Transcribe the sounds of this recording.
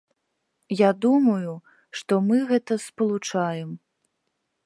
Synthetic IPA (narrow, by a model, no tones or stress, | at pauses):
jad̪umɐju | ʂt̪ɔmɨɣɛt̪ɐspɐlˠut͡ʂajɛm